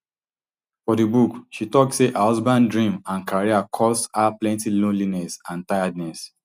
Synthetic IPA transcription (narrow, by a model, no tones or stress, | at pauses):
fɔdibukʃitɔk̚tseʔaɔzbãndɹĩmãnkʰaɹiakʰɔshaplɛ̃ntilõnlinɛsãntaɪadnɛs